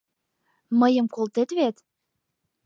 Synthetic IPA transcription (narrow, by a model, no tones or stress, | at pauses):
məjə̆mkolt̪et̪βet̪